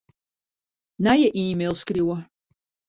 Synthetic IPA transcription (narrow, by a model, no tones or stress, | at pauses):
najaʔiːmelskʼriwa